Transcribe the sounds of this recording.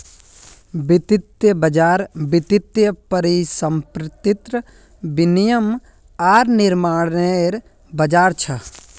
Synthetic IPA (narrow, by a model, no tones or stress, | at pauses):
bɪt̪ɪt̪jəbɐd͡ʒaːɾbɪt̪ɪt̪jəpəɾisəmpɾɪt̪ɪt̪ɾə | bɪnijəm | aːɾnɪɾmaːɽeɾ | bɐd͡ʒaːɾt͡ʃʰɐ